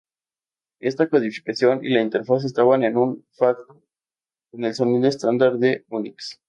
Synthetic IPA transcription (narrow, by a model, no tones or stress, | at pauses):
e̞st̪akoðifi̥kasjo̞nḭlaint̪e̞ɾfas̬est̪aβane̞nunfakt̪o | kone̞lso̞niðoest̪and̪aɾðe̞uniks